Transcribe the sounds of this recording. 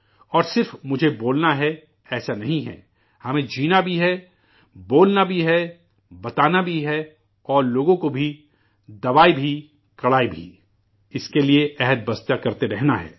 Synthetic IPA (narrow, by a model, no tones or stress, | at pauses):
ɔːɾsɪɾfmʊd͡ʒʱeboːlnaɦɛ | ɛːsanɐɦĩɦɛ̰ː | hɐmẽd͡ʒiːnabʱiɦɛ | boːlnabʱiɦɛ | bɐt̪aːnabʱiɦɛ | ɔːɾloːɡõkobʱi | d̪ɐʋaːibʱi | kɐɽaːibʱḭ | ɪskelieʔɛɦəd̪̚bɐst̪jakɐɾt̪eɾɛɦnaɦɛ̰ː